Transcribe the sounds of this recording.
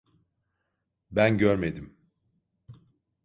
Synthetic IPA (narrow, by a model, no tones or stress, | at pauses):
bænɟøɾmed̪im